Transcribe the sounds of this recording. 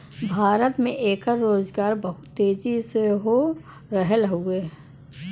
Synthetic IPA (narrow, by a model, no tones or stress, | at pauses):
bʱaːɾət̪mẽʔeːkəɾːoːzɡaːɾbɐɦʊt̪ːeːd͡ʒiseɦo | ɾɐɦəlɦueː